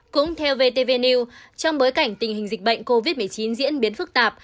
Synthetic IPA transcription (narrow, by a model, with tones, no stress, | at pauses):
kʊ̰˧˥ŋ͡mt̪ʰɛ˧wve˧t̪e˧ve˧ni˧wt͡ɕɔ˧wŋ͡mɓo˨˦jka˧˩jŋ̟t̪ï˨˩ŋ̟hï˨˩ŋ̟zi˨˩k̟̚ɓə̰˧˨jŋ̟ko˧vi˦˥t̚mɨ˨˩əjt͡ɕi˨˦nzḭ˧˥ənɓi˨˦ənfɨ˦˥k̚t̪aː˨˩p̚